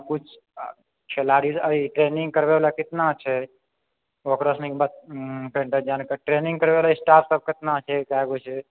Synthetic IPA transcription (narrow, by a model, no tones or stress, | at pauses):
kut͡ʃʰ | t͡ʃʰelaːɾisəiʈɾeːnĩŋɡkəɾbelakɪt̪nat͡ʃʰɛ | okɾəsnikbat̪̚pẽɳʈad͡ʒaːnkəʈɾenĩŋɡkəɾbelaisʈaːpʰsəb̚kɪt̪nat͡ʃʰekaɡot͡ʃʰe